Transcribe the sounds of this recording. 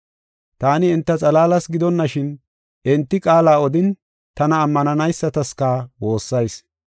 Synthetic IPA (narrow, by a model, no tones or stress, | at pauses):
t̪aːnɪɪnt̪ːɐt͡sʼɐlaːlɐsɡɪd̪ɔnːɐʃɪn | ʔɪnt̪ːɪkʼaːlaːɔd̪ɪn | t̪ɐnɐːmːɐnɐnɐjsːɐt̪ɐskaːwo̞ːsːɐjs